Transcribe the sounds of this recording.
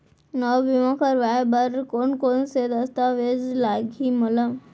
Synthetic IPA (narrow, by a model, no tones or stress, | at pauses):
nɔʋimãkəɾʋabəɾkonkonsed̪əst̪aʋed͡zlaɡʱiməla